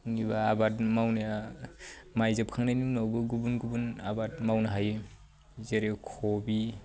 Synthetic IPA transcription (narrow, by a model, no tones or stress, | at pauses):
niβaːbatmawnaa | majzap̚kʰaŋnajninawbɯɡubunɡubunabatmawnaɦajɯ | zeɾekʰɔbi